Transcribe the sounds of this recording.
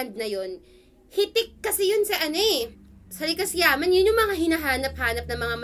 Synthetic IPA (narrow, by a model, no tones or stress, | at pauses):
nd̪̚nɐjon | hɪt̪ɪk̚ːɐsɛjʊnsɐʔɐnoʔɛ | sɐɾɪkɐsɪjaːmɐnjʊnjʊŋmɐŋaɦɪnaɦaːnɐp̚haːnɐp̚nɐŋmɐŋam